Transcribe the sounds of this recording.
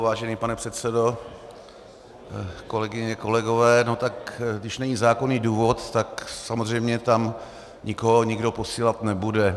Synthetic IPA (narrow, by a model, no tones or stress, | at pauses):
vaːʒɛniːpanɛpr̥ɛt̪sɛdo̞ | ko̞lɛɡɪɲɛko̞lɛɡo̞vɛːno̞t̪akɡdɪʃnɛɲizaːkoniːduːvo̞t̪ːaksamozr̝ɛjmɲɛt̪am | ɲɪkoɦoɲɪɡdo̞po̞siːlat̪nɛbudɛ